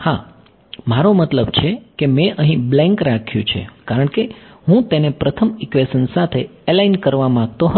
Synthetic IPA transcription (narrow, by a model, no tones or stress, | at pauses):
ha | maɾomət̪ləbt͡ʃʰekemeʔəɦĩblɛ̃ŋkɾakʰjũt͡ʃʰḛkaɾəɳkeɦũt̪enepɾət̪ʰəmɪkʋesənsat̪ʰeelainkəɾʋamãɡ̚t̪oɦə